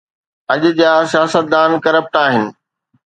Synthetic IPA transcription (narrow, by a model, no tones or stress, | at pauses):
ɐʄʊd͡ʑaːsijaːsət̪̚d̪aːnkɐɾəp̚ʈaːɦɪnɪ̆